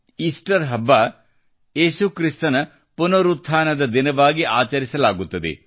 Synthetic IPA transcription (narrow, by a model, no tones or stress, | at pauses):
iːsʈɐɾɦɐbːa | jeːsukɾist̪ɐnɐ | punɐɾut̪ʰːaːnɐd̪ɐd̪inɐʋaːɡiʔaːt͡ʃɐɾisɐlaːɡut̪ːɐd̪ḛ